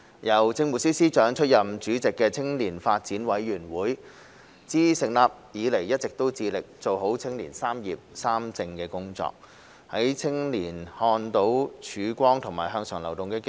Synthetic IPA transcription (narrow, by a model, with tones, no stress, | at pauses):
jɐ˨˩wt͡sɪ˧ŋmuː˨˩siː˥siː˥t͡ʃœː˨˥ŋt͡ʃʰɵ˥t̚jɐ˨mt͡ʃyː˨˥t͡sɪ˨kːɛː˧t͡sʰɪ˥ŋliː˨˩nfaː˧t̚t͡siː˨˥nwɐ˨˥jɥyː˨˩nwuː˨˥j | t͡siː˥sɪ˨ŋlaː˨p̚jiː˨˧le˨˩jːɐ˥t̚t͡sɪ˨k̚t̪o˥wt͡siː˧lɪ˨k̚t͡so˨wɦo˨˥wt͡sʰɪ˥ŋlḭː˨˩nsaː˥mjḭː˨p̚saː˥mt͡sɪ˧ŋkɛː˧kʊ˥ŋt͡sɔ̰ː˧˨k̚ | hɐ˨˥jt͡sʰɪ˥ŋliː˨˩nhɔː˧nt̪o˨˥wt͡ʃʰyː˨˧kʷɔː˥ŋt̪ʰʊ˨˩ŋmaː˨˩jɦœː˧ŋsœː˨˩ŋlɐ˨˩wt̪ʊ˨ŋkɛː˧k